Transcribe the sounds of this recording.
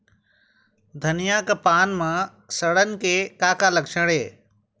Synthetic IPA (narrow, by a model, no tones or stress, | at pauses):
d̪ʱɐnijakɐpaːnmã | sɐɽənɪ̆kʰeːkaːkalɐkʃəɽeː